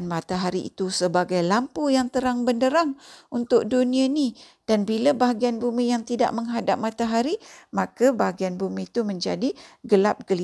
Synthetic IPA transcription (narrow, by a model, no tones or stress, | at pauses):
nmat̪aɦaɾiḭt̪usəbaɡajlampujaŋt̪əɾaŋbəndəɾaŋunt̪ʊk̚dunĩani | d̥anbilabaɦaɡianbumijaŋt̪ida̰ʔ̚məŋɦadap̚mãt̪aɦaɾimakabaɦaɡianbumiːt̪umə̃ɲd͡ʒadiɡəlap̚ɡ̥əl